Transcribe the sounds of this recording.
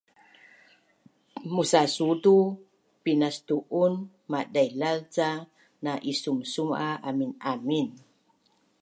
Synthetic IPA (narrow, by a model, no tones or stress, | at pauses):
musasutu | pinast̪uʔun | madajlalt͡sa | naʔisumsumaaminamin